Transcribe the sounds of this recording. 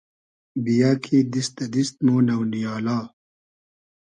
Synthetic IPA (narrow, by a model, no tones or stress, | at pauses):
bijaːkʰiːd̪ist̪ɐd̪ist̪̚muːnɐwnijaːlaː